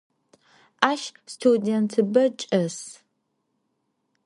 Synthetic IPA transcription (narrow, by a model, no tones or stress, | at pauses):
ʔaːʃstʰudentʰɨbɐt͡ʃʼɐs